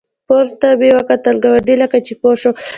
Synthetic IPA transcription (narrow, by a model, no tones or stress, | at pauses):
poɾt̪abewakat̪alɡawaɖilakat͡ʃipoʃo